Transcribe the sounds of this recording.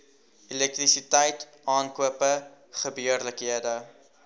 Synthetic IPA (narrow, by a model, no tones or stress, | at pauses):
ilɛk̚t̪risitɛjt | ɑːnkuəpəχəbiərləkɦiədə